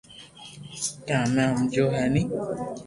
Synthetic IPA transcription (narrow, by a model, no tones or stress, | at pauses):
kãmãm̩d͡ʒoɦanĩ